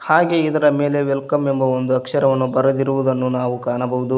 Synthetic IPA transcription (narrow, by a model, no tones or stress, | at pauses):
haːɡe̞id̪ɐɾɐme̞ːle̞ʋelkɐmembɐo̞nd̪uɐkʂɐɾɐʋɐnːubɐɾɐd̪iɾuʋud̪ɐnːunaːʋukaːnɐbɐɦud̪u